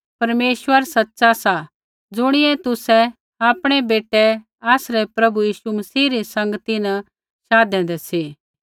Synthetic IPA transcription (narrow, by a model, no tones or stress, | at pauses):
pɐɾmeːʃwəɾsɐtːsasa | d͡zʊɽ̃ɪɛt̪ʊsɛ | aːpɽ̃ɛbeːʈɛ | aːsɾɛpɾɐbujiːʃumɐsiːɾisɐ̃ŋɡt̪inə | ʃaːd̪ɛ̃ːnd̪ɛsiː